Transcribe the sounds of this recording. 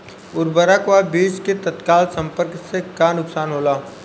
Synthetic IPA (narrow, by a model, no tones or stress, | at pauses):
ʊɾbəɾakʋabiːd͡ʒket̪ət̪kaːlsə̃mpəɾksekanʊksaːnɦoːlaː